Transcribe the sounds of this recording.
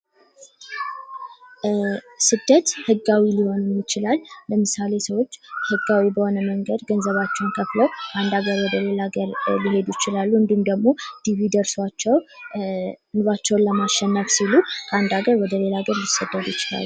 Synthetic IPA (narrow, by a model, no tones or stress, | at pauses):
sɨd̪ːət̪hɨɡːawiliho̞nɨmjɪt͡ʃɪlalːəmɨsale̞səwo̞t͡ʃːhɨɡːawibəho̞nəməŋɡəd̪ɡənzəβat͡ʃːɛwnkʰəfləwkʰəʔand̪aɡəɾwɔd̪əle̞laɡəɾbiɦe̞d̪ujɪt͡ʃɪlalːuɨnd̪iumd̪əɡmo̞d̪̥iβid̪əɾswat͡ʃːɛw | nβat͡ʃːɛwnləmaʃɛnːəfsilukʰəʔand̪aɡəɾwɔd̪əle̞laɡəɾlisːəd̪ːəd̪ujɪt͡ʃɪla̰lːu